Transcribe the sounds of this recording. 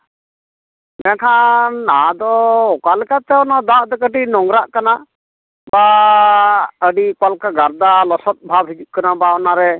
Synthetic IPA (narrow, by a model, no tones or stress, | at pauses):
mɛkʰanːad̪ɔɔkalɛkat̪ɛɔnad̪aʔd̪ɔkəʈinɔŋɡɾaʔkana | ba | əɖikwalkaɡaɾd̪alɔsɔt̪̚bʱabʱid͡ʒuʔ̚kanabaɔnaɾɛ